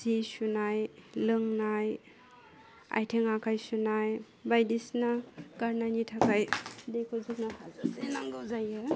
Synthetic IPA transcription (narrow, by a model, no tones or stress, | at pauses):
sisunajlɯŋnaj | a̰jtʰeŋakʰajsunaj | bajdisnakaɾnajnitʰakajdekʰozuk̚nakʰazaenaŋɡɯzajɯ